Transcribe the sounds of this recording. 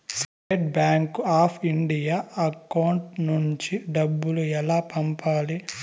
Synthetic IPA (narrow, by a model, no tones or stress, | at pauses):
sʈeːʈbaːŋkaːpʰiɳɖijaːɐkɐwɳʈnuɲt͡ʃiɖɐbːuluɛlaːpɐmpaːli